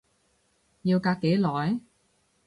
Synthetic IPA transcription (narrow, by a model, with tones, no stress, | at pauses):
jiː˧wkaː˧kːe˨˥jlɔː˨˥j